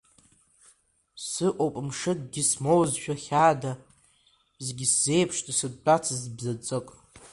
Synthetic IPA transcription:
sɨʔʼopʼmʂɨd̚ɡʲismowzʃᶣaχʲaːdḁ | zɡʲɪsz̥e̞jpʰʂtʼisɨd̚t͡pʼat͡sʰazbzat͡sʼɨkʼ

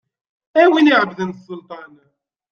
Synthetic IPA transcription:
æwiniʕəbðənsːʊlt̪ˤɑn

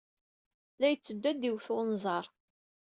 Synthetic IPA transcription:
læjət͡sːəd̪ːæd̪iwθonzˤɑɾˤ

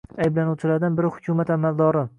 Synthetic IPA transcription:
ajblanuwt͡ʃʰɪlaɾd̪anbɪɾɪhʊ̥kʲʰʊmat̪amald̪ɒɾɪ

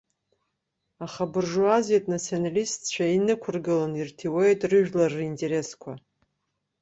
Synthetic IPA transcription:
aχabɨrʐuazetʼnat͡sʰionalistʰt͡ɕʷʰainɨkʷʰʊrɡɨlanirtʰiwejtʼrɨʒᶣlarintʼe̞ɾe̞skʷʰa̰

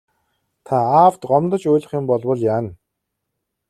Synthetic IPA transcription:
t̪ʰaaːwt̪ɢɔmt̪ə̆t͡ɕujɮə̆χjʊ̆mpɔɮwə̆ɮjaːn

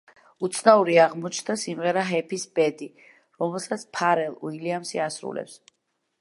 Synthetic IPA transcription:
ut̪sʰnauɾiaʁmɔt͡ʃʰnd̪asimʁɛɾaɦɛpʰisb̥ɛd̪i | ɾɔmɛlˠsat̪sʰpʰaɾɛlˠṵiliamsiasɾṵlɛ̰ps

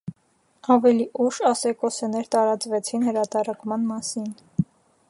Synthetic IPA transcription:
ɑvɛliʔuʃɑsɛkɔsɛnɛɾt̪ɑɾɑt͡svɛt͡sʰinhəɾɑt̪ɑɾɑkmɑnmɑsin

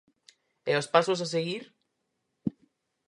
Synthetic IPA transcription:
eospasos̬as̬eɣiɾ

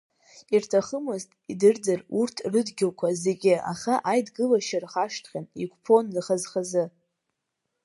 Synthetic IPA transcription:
irtʰaχəmɨztʼidɨrd͡zɨrurtʰrɨdɡʲɪlkʷʰaze̞ɡʲɪa̰χaʔajdɡɨlaʃarχaʂtʰχʲaniɡʷʰʼpʰo̞nrɨχazχazɨ

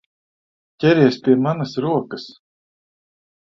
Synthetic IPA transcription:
cʲɛɾʲiɛspʲiɛmanɐsɾuɔkəs

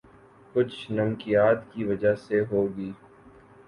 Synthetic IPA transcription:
kʊt͡ʃʰnɐmkijaːt̪kiʋɐd͡ʒaseɦoːɡiː

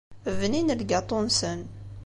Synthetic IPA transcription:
vninəlɡɑt̪ˤːonsən

